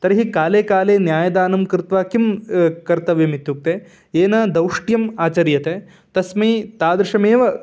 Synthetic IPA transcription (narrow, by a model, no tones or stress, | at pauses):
t̪ɐɾɐɦikaːleːkaːleːnjaːjɐd̪aːnɐmkɾɪt̪ʋaːkimkɐɾt̪ɐʋjɐmit̪juk̚t̪e | eːnɐd̪ɐwʂʈjɐmaːt͡ʃɐɾjɐt̪e | t̪ɐsmɐjt̪aːd̪ɾɪʂɐmeːʋɐ